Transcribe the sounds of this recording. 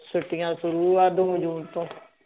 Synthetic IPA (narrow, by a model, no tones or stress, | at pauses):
sʊʈːɪjãːsʊɾuːaːd̪oːd͡ʒuːnt̪õː